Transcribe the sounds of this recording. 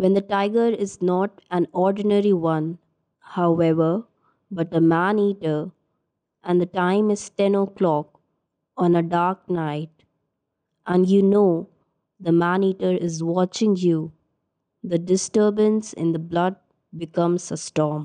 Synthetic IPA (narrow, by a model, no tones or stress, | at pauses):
wɛ̃nd̪əʈaɪɡəɾɪznɔʈæ̃nɔɾɖɪnəɾiwʌ̃n | haʊɛʋə | bʌʈ̚əmæ̃niːʈəɾ | ʔæ̃nd̪əʈãɪ̃mɪz̥tɛ̃noklɔk | ɔ̃nəɖaɾk̚naɪʈ̚ | ʔæ̃njunoː | d̪əmæ̃niʈəɾɪzwɔt͡ʃɪ̃ŋju | d̪əɖɪsʈəːbə̃nsɪ̰̃nd̪əblʌd̚ | bɪkʌ̃mzəsʈɔːm